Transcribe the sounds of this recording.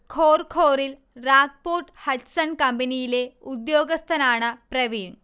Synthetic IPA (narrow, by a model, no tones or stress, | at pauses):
kʰoːrkʰoːɾil | raːk̚poːʈhɐʈsɐnkɐmbɐnijileud̪joːɡɐst̪ʰɐnaːɳɨprɐʋiːɳ